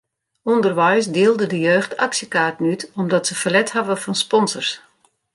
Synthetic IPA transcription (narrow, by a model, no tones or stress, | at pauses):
ɔndərʋɛjs̬dɪːlˠdədəjøːxtʰaksjəkaːrtənytɔmdɔtsəfəlɛthavəfɔnspɔnzərs